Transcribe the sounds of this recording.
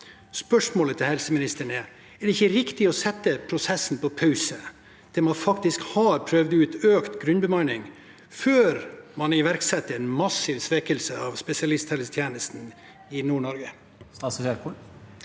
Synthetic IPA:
spœʂmoːlət̪ʰɪlhɛlsəmɪnɪst̪əɳɛ | ɛɖɛɪçːəɾɪkt̪ɪɔsɛt̪ːəpʰɾʊsɛsn̩pɔpʰɑʉsə | d̪̥ɛmɑnfɑkt̪ɪskhɑɾpʰɾœʋd̪əʉːt̪øːkt̪ɡɾʉnbəmɑɪnɪŋ | føːɾmɑnɪʋæɾksɛt̪ːəɾɛnmɑsɪʋsʋɛkəlsəɑʋspɛsɪɑlɪst̪hɛləst̪ʰjeːnəst̪n | ɪnuːɳɔɾɡə | sɑssɛɾku

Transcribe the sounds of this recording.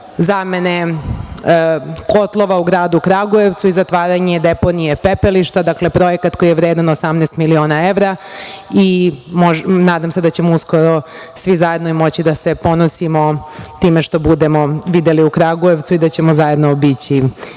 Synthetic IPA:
zamene | ko̞t̪lˠo̞ʋauɡɾaːd̪ukɾaɡue̞ʋt̪suizat̪ʋaːɾaɲed̪epo̞nijepepeliʃt̪ad̪akle̞pɾo̞jekat̪ko̞jijeʋɾeːd̪anosamnest̪milio̞ːnaeʋɾaimoʒnaːd̪amsed̪at͡ɕe̞mousko̞ɾo | sʋizaje̞d̪noimo̞t͡ɕid̪ase̞po̞nosimot̪iːmeʃt̪o̞bud̪e̞mo̞ʋid̪eliukɾaɡue̞ʋt̪uid̪at͡ɕe̞mozaje̞d̪nobit͡ɕi

